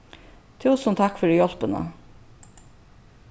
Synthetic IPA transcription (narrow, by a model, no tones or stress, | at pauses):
t̪ʰʉːsn̩t̪ʰɑkfɔɖiːjɔlpənə̰